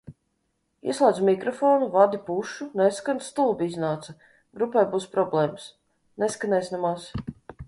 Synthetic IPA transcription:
ḭslˠaːd̪zumʲikɾɔfoːnuvad̪ipuʃuneskanst̪ulˠbiiznaːt̪sɐ | ɡɾupajbuːspɾɔblˠɛːms | nɛskanɛjsʲnamas

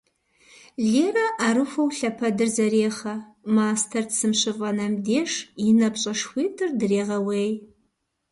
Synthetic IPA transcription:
ɮeːrɐʔaɾɨxʷɐwɬɐpʰɐdɨrzɐɾeːχɐmaːstʰɐrdsɨmɕɨvʼɐnɐmdeːʂɪnɐpɕʼɐʂxʷiːtʰɨrdɨreːʁɐweːj

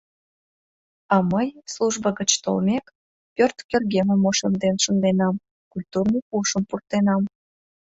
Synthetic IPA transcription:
ɑməjsluʒbəɣət͡ɕt̪o̰lmek | pʲørt̪kʲørɣemə̆moʃemd̪enʃənd̪enɑm | kulʲt̪urnəjpuʃəmpurt̪enɑm

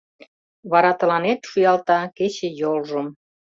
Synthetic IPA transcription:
βɑɾɑt̪ə̆lɑnet̪ʃujɑlt̪ɑket͡ɕejolʒəm

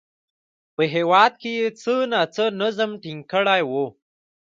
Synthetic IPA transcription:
pəɦewɑd̪̚kejet͡sənat͡sənəzəmʈiŋɡkəɽajwo

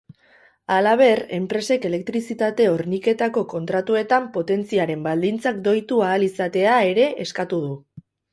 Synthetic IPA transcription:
alaβ̞e̞re̞mpɾe̞se̞ke̞le̞kt̪ɾisit̪at̪e̞o̞ɾnike̞t̪ako̞ko̞nt̪ɾat̪ue̞t̪ampo̞t̪e̞nt͡siaɾe̞mbald̪int͡sakd̪o̞jt̪uaːlisat̪e̞ae̞ɾe̞ʔeskat̪uðu

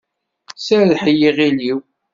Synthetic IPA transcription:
səɾlħəjiʁiliw

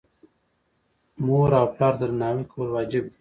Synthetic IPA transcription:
muːɾawplaːɾd̪əɾnaːwikʰolwaːd͡ʒɪb̚

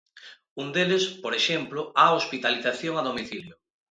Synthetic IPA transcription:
und̪elespoɾeʃemplʊaospit̪aliθaθjoŋaðomiθiljʊ

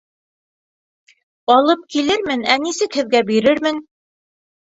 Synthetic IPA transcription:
ɑlˠɤp̚kilɘɾmɘnænisɘkhɘ̆ðɡæbiɾɘɾmɘn

